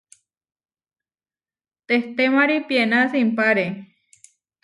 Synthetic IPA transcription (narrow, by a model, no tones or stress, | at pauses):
t̪eht̪emaɾipjenasimpaɾe